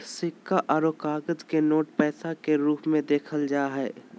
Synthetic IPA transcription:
sɪkːaʔɐɾoːkaːɡəd̪kenoːʈpɛːsakeɾuːpmẽd̪eːkʰəld͡ʒaːɦɛː

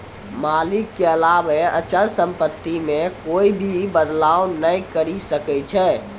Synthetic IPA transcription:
malɪkːeəlabeət͡ʃəlsə̃mpət̪ːimẽkoibʱibəd̪lawnəikəɾisəkɛt͡ʃʰɛ

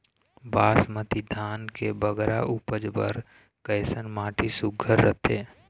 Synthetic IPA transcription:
baːsmət̪id̪ʱaːnkebəɡɾaʔupəd͡ʒbə̰ɾ | kəjsənmaːʈʰisʊɡʱəɾːə̰t̪ʰeː

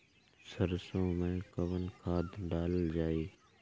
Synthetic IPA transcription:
səɾsõːmẽːkəʋənkʰaːd̪ʱɖaːləd͡ʒaːeː

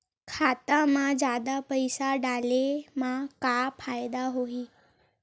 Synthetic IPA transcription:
kʰat̪amad͡ʑad̪apəjsaɖalemakapʰajd̪aɦoiː

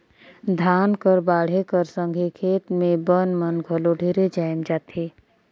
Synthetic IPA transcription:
d̪ʱaːnkəɾbaːɽ̤ekəɾsə̃ŋɡʱekʰeːt̪mẽbənmənɡʱəloɖʱiːɾed͡ʒaːɪmd͡ʒaːt̪eː

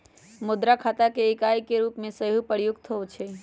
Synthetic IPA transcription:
mud̪ɾakʰat̪akeːkajkeɾupmẽsəɦupəɾjuɡt̪ʰəwt͡ʃʰe

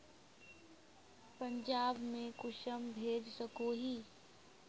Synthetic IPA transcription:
pə̃ɲd͡ʒaːbmẽkʊʃəmbʱeːd͡ʒsəkoɦiː

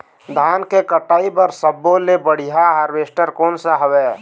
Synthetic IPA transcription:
d̪ʱaːnkekəʈaːibəɾsəbːolebəɽ̤ijaɦaɾʋesʈəɾkoːnsəɦəʋɛ

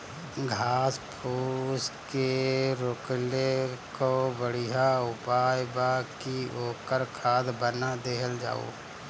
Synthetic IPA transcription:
ɡʱaːspʰuːskeɾoklekobəɽiɦaʊpaːjbakioːkəɾkʰaːd̪bənad̪eːɦəld͡ʒa̰ːo̰ː

